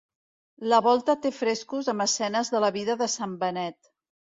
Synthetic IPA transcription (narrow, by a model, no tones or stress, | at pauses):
ləβɔlˠt̪ət̪efɾeskuzəmbəsɛnəzðələβiðəðəsambənɛt̪